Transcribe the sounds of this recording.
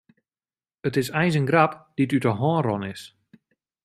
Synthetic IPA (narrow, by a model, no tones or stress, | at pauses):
ətɪsɛjns̬ənɡrapd̥itytəɦɔːnrɔnɪs